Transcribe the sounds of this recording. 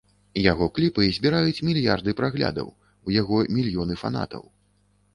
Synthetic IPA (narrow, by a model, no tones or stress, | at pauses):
jaɣɔklʲipɨzʲbʲiɾajut͡sʲmʲilʲjard̪ɨpɾaɣlʲa̰d̪ɐ̰w | ujaɣɔmʲilʲjɔnɨfa̰n̪a̰t̪ɐ̰w